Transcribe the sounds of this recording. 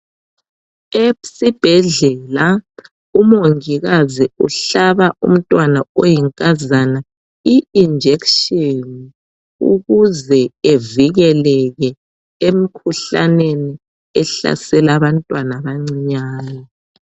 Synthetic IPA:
esib̥ʱɛɮɛla | umoŋiɣaziṵɬaβaṵm̩tʼwanaojiŋkʼazana | iind͡ʒʱekʃɔni | ṵɣuzɛeviɣɛlɛɣɛ | em̩kʰuɬa̰neni | ɛɬa̰sɛlaβantʼwanaβaŋ͡ǀiɲaːna

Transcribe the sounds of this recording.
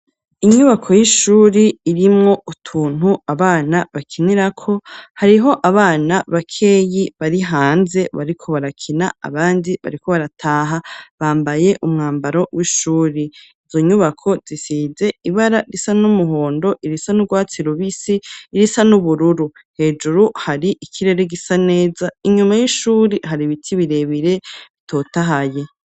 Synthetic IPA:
iɲuβakʰo̞jiʃuːɾiiɾimŋo̞utʰuːn̥huaβaːnaβakʰiniɾakʰo̞haɾiɦo̞ʔaβaːnaβakʰe̞ːjiβaɾiɦaːnze̞βa̰ɾikʰo̞βaɾakʰinaa̰βaːndiβa̰ɾiko̞βaɾatʰaːɦaβaːmbaje̞ʔumŋaːmbaɾo̞wʔiʃuːɾi | izo̞ɲuβakʰo̞z̥isize̞iβaɾaɾisanumuɦo̞ːndo̞ʔiɾisanuɡwaːt͡siɾoβisiːɾisanuβuɾuɾu | he̞ːd͡ʒuɾuhaɾiʔikʰiɾe̞ɾeɡisane̞ːzaiɲumajiʃuːɾiɦaɾiβitʰiβiɾe̞βiɾe̞βitʰo̞ːtaɦaje

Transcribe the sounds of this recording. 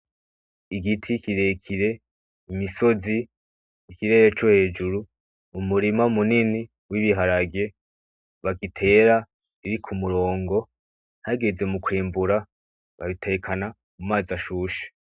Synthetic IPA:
iɡitʰikiɾe̞kʰiɾe̞ | imiso̞ziː | kiɾe̞ːɾet͡ʃohe̞ːd͡ʒuɾuː | muɾimaumunini | wiβiɦaɾaɡje̞ | βaɡitʰe̞ɾa | iɾikʰumuɾo̞ːŋɡo̞ | haɡe̞ze̞mukwiːmbuɾa | βa̰βitʰe̞kʰana | mumaːzaʃuːʃe̥

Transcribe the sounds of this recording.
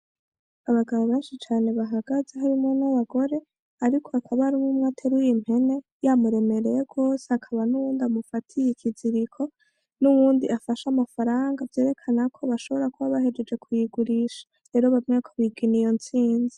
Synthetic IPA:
aβaɡaβoβaːnʃit͡ʃaːne̞βaɦaɡazeɦaɾimunaβaɡo̞ɾe̞ | aɾikʰo̞akʰaβaɾimumŋaːtʰeɾujim̥he̞ne̞ | jamuɾe̞me̞ɾe̞jeɡɡo̞ːseakʰaβanuβuːndiamufatʰijeciziɾikʰo̞ | nuβuːndiʔafaʃamafaɾaːŋɡavje̞ːɾe̞kʰanakʰo̞βaʃo̞βo̞ɾakuβaβahe̞d͡ʒe̞d͡ʒe̞kʰujiɡuɾiʃḁ | ɾe̞ːɾoβamɲekʰoβiɡinijo̞nt͡siːnzi

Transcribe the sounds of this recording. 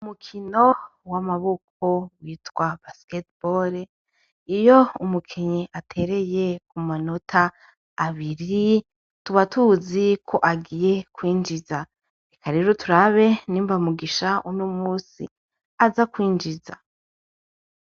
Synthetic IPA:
umukʰino̞ | wamaβok̚ʰo̞wiːtwabasketboɾe | ijo̞umukʰiɲiatʰe̞ɾe̞je̞kumano̞tʰaː | βiɾi | tuβatuzikʰo̞ʔaɡije̞kwiːnd͡ʒiza | ikʰaɾiɾotuɾaβe̞niːmvamuɡiʃaunomuːsḭ | azakwiːnd͡ʒiza

